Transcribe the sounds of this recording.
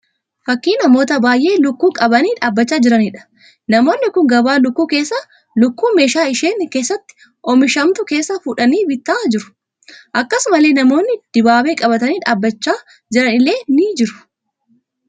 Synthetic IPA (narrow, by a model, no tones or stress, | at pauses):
fɐkːiːnɐmo̞ːt̪ɐbaːjʔe̞ːlʊkːuːkʼɐbɐniːᶑaːbːɐt͡ʃːaːd͡ʒɪɾɐniᶑɐ̥ | nɐmo̞ːnːɪkʊŋɡɐbaːlʊkːuːkeːsːɐ | lʊkːuːme̞ːʃaːɪʃeːnke̞ːsːɐt̪ːɪ̥ | ʔɔmɪʃɐmt̪ʊke̞ːsːɐfʊᶑɐniːbɪt̪ːaːd͡ʒɪɾʊ̥ | ʔɐkːɐsʊmɐle̞ːnɐmo̞ːnːɪd̪̥ɪbaːbe̞ːkʼɐbɐt̪ɐniːᶑaːbːɐt͡ʃːaː | d͡ʒɪɾɐnɪle̞ːniːd͡ʒɪɾʊ̥